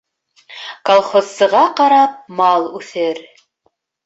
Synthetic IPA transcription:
kolˠχozsɤ̆ʁɑqɑɾɑp̚mɑlˠʉθɘɾ

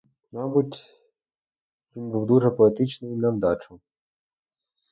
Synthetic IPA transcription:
mɑbutʲ | ʋʲinbuwd̪uʐɛpɔɛt̪ɪt͡ʃnɪjnɐwd̪ɑt͡ʃʊ

